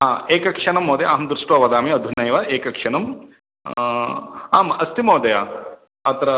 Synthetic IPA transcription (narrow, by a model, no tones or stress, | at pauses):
ɦaːeːkɐkʂɐɳɐmːoːd̪eaːɦɐmd̪ɾuʂʈʋoːʋɐd̪aːmiɐd̪ʱunɐjʋɐʔeːkɐkʂɐɳɐm | aːmɐst̪imoːd̪ɐja | ɐt̪ɐɾɐ